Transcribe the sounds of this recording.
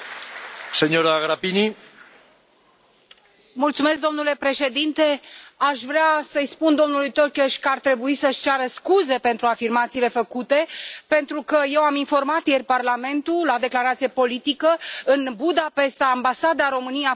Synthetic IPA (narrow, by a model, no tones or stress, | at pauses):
seɲoɾaɣɾapini | mult̪sume̞s̬k̚d̪o̞mnule̞pɾe̞ʃe̞d̪int̪e̞aʃvɾeasəjspund̪o̞mnulujt̪orkʲoʃʲkəart̪ɾe̞buisəʃʲt͡ʃaɾəskuze̞pe̞nt̪ɾuafirmat̪siːle̞fəkut̪e̞pe̞nt̪ɾukəje̞waminfo̞rmat̪je̞rʲparlame̞nt̪ulad̪e̞klaɾat̪sijepo̞lit̪ikəɨnbud̪ape̞st̪aːmbasad̪aɾo̞mɨnija